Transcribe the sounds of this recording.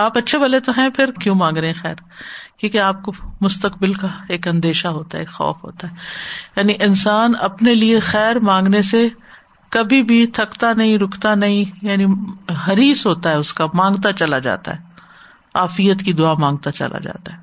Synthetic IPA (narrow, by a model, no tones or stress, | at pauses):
aːpɐtːʃʰebɐlet̪oɦɛ̃pʰɪɾkjũmãːŋɡɾeeɛ̃xɛːɾ | kjĩːkeaːp̚komʊst̪əkbɪlkaeːkɐ̃nd̪eːʃaɦoːt̪aɦɛ̰eːkxɔ̰ːfɦo̰ːt̪aɦɛːjaːniʔɪnsaːnɐpneliexɛːɾmãːŋɡnese | kɐbʱibʱit̪ʰɐkt̪anɐɦĩɾʊkʰt̪anɐɦĩjaːniɦɐɾiːsɦoːt̪aɦɛʊskamãːŋɡt̪at͡ʃɐlad͡ʒa̰ːt̪a̰ɦɛː | aːfijət̪kid̪ʊamãːŋɡ̚t̪at͡ʃɐ̰la̰d͡ʒa̰ːt̪aɦɛː